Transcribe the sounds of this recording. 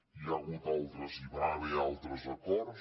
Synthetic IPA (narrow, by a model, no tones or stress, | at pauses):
iaɣut̪alˠt̪ɾəziβaəβealˠt̪ɾəzɐkɔɾ